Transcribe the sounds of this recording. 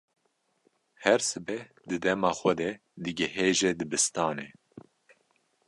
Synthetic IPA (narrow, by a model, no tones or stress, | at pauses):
hɛɾsɨbɛh | d̪ɨd̪ɛmɑːxʷɛd̪ɛ | d̪ɨɡɛɦeːʒɛd̪ɨbɨst̪ɑːne